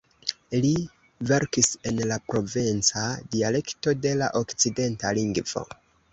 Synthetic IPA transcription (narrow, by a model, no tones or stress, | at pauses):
li | ve̞ɾkise̞nlapɾo̞vent͡sadiale̞kto̞de̞la̰ʔo̞kt͡side̞nta̰liŋɡv̥o̞̰